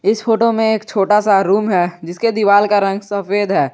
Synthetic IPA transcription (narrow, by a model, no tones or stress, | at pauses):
ɪsfʰoːʈomẽeːkt͡ʃʰoːʈasaɾuːmɦɛd͡ʒɪsked̪iʋaːlkaɾɐ̃ŋɡsɐfeːd̪ɦɛː